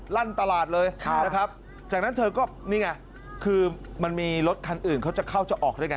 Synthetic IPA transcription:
laː˥˩nt̪a˧laː˨˩t̪̚lɤː˧jʰna˦˧kʰa˦˥p̚ | t͡ɕaː˨˩k̚na˦˥nt̪ʰɤː˧kɔː˥˩niː˥˩ŋa˧˩ | kʰɯː˧ma˧nmiː˧ɾo˦˥t̪̚kʰa˧nʔɯː˨˩nkʰa˦˥wt͡ɕa˨˩kʰa˥˩wt͡ɕa˨˩ʔɔː˨˩k̚daː˥˩jka˦

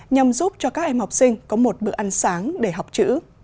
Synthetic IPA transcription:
ɲa˧mzu˦˥p̚t͡ɕɔ˧kaː˦˥k̚ʔɛ˧mha˨˩wk͡p̚sï˧ŋ̟kɔ˨˦mo˨˩t̚ɓɨ̰˨˧˨əʔa˧nsaː˨˦ŋɗe˧˩ɦa˨˩wk͡p̚t͡ɕɨ̰˧˥

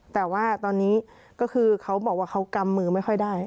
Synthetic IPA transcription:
t̪ɛː˨˩waː˥˩t̪ɔː˧nːiː˦˥ | kɔː˥˩kʰɯː˧kʰa˦˥wbɔː˨˩k̚waː˥˩kʰa˦˥wka˧mːɯː˧ma˥˩jxʰɔ˥˩jdaː˥˩j

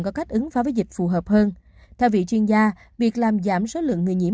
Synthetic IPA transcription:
ŋkɔ˨˦ka˦˥jk̟̚ʔɨ˨˦ŋfaː˨˦vəː˨˦jzï˨˩k̟̚fu˨˩ɦəː˨˩p̚həː˧n | t̪ʰɛ˧wvḭ˧˨t͡ɕwi˧ənzaː˧ | vi˨˩ək̚laː˨˩mzaː˧˩mso˨˦lɨ̰˧˨əŋːɨ˨˩ɲi˧˩ə˨

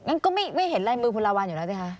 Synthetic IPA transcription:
ŋa˨˧˥nkɔ˧˦˥ma˦˧˩jma˧˥˩jɦe˨˩˦nlaː˧jmɨ˧kʰu˧laː˧waː˧njnaː˨˦˩ka˧˥

